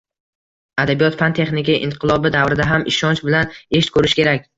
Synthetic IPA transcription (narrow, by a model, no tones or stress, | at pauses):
ad̪abijɒt̪fant̪ʰe̞χnɪkʲiʔɪɴqʰɨlˠɒbɪd̪avɾɪd̪aɦamʔɪʃɒnt͡ʃbɪlaneʃt̪kʰɵɾɪʃkʲe̞ɾakʲ